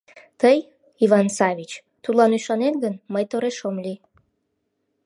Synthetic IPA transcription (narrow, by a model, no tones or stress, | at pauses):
t̪əj | iβɑnsɑβʲit͡ɕ | t̪ulɑnyʃɑnenɡənməjt̪oɾeʃomli